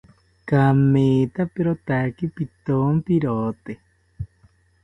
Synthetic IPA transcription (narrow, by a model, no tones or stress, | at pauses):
kameːt̪ʰapeɾot̪akipit̪ompiɾot̪e